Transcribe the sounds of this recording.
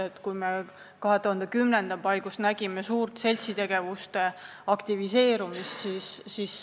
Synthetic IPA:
et̪kujme | kɑɦe̞t̪uhɑnd̪ekymnend̪̥ɑpɑjɡ̥ust̪næɡ̥imesuːrt̪se̞lʲsit̪e̞ɡ̥e̞vust̪e̞ | ɑkt̪ivise̞ːɾumist̪sisːis

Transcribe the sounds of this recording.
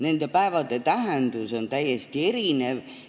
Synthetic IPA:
nend̪æpæeʋɑt̪et̪æɦænt̪usont̪æjest̪ierineʋ

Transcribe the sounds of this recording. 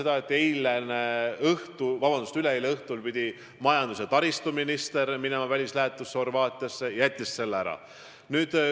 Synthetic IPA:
e̞d̪̥ɑe̞t̪ːˑejleneɤht̪uvɑbɑnd̪̥ust̪yleejleɤht̪ulpid̪̥ʲi | mɑjɑnd̪us̬et̪ɑɾist̪uminist̪e̞ɾminemɑvælʲislæɦe̞t̪ːˑusːeho̞rvɑːt̪ʲˑiɑsːe̞jɑjæt̪ʲˑːisːe̞lːæɾɑ̰ | nyːd̪̥

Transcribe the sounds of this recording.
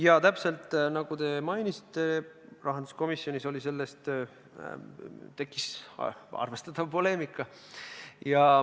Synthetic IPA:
jɑt̪æpse̞lt̪ˑːnɑɡ̥ut̪e̞mɑjnisi̥t̪ːˑe̞ | rʔɑɦɑnd̪̥u̥sko̞misːjo̞niso̞lʲise̞lːest̪ | t̪e̞kːˑis | ɑ̰rve̞st̪ɑt̪ˑɑvpo̞le̞ːmikːˑɑ | jɑ

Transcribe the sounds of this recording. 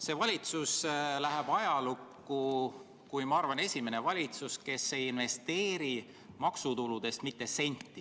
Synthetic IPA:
se̞vɑlʲit̪suslæɦeb̥ɑjɑlukːu | kujmɑɑrvɑne̞sʲime̞ne̞vɑlʲit̪suske̞se̞jinve̞st̪e̞ːɾi | mɑksut̪ulud̪̥e̞st̪mit̪ːe̞se̞nʲt̪ːi

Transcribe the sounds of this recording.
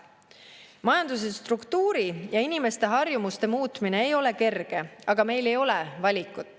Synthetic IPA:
mɑjɑnd̪us̬est̪rukt̪uːɾijɑinime̞st̪e̞ɦɑrjumust̪e̞muːt̪mine̞ːjo̞le̞ke̞rɡ̥e̞ɑɡ̥ɑme̞jle̞jo̞levɑlʲikːˑud̪̥ˑ

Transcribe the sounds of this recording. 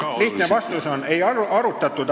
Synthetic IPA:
liht̪ne̞vɑst̪uso̞ne̞jɑɾut̪ːˑɑt̪ːˑud̪̥

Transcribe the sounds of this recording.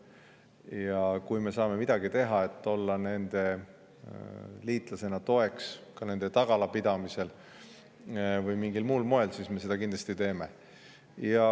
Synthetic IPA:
jɑkujme̞sɑːme̞mid̪̥ɑɡit̪e̞ɦɑe̞t̪ːo̞lːɑne̞nd̪̥e̞ | liːt̪ˑlɑse̞nɑt̪o̞e̞kskɑne̞nd̪̥e̞t̪ɑɡ̥ɑlɑpid̪̥ɑmise̞l | vɯjmiŋɡilmuːlmo̞e̞lsiːsme̞se̞d̪̥ɑkind̪l̥ɑst̪it̪e̞ːme̞̰ | jɑ

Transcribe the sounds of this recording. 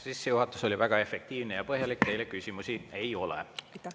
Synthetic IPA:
sisːejuɦɑt̪ːˑuso̞lʲivæɡ̥ɑe̞fek̚t̪iːvnejɑpɤɦjɑlikt̪e̞jlekysʲimusie̞jo̞lḛ

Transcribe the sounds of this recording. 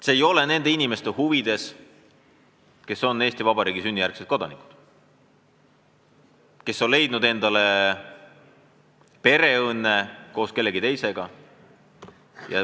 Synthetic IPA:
se̞ːjo̞le̞ne̞nd̪einime̞st̪ehuvid̪̥e̞s | ke̞so̞nːe̞ːst̪ivɑb̥ɑɾiːɡisynʲːijærkset̪̚ko̞d̪ɑ̰nikˑu̥d̪̥ | ke̞sːo̞nle̞jd̪̥̚nud̪e̞nd̪ɑle̞ | pe̞ɾe̞ɤnːe̞ko̞ːske̞lːe̞ɡit̪e̞jse̞ɡ̥ɑ | jɑ̰

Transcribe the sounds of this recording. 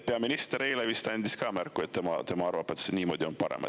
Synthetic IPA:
peɑminist̪eɾejlevist̪ɑnʲd̪iskɑːmærkːˑuet̪ːemɑ̰t̪e̞mɑɑrvɑpet̪seniːmo̞ːd̪̥ʲio̞npɑɾḛmɑ̰t̪

